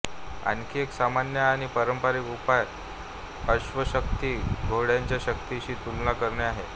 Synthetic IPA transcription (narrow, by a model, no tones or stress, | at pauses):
a̰nkʰieksamanjəːɽ̃ipəɾəmpaɾiːkupaj | əɕʋəɕəkt̪iːɡʱoɽjaɲt͡ɕjaɕək̚t̪iɕiːt̪ulnakəɾɳeaɦḛ